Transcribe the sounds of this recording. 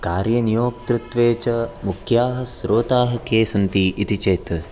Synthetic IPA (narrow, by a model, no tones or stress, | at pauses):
kaːɾjɐnijoːk̚t̪ɾut̪ʋeːt͡ʃɐmukʰjaːɦɐ̆sɾʔoːt̪aːɦɐkeːsɐnt̪iʔit̪it͡ʃeːt̪